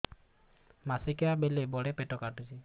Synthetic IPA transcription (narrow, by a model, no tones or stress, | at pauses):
masikiabelebɔɽepeʈɔkaʈut͡ʃi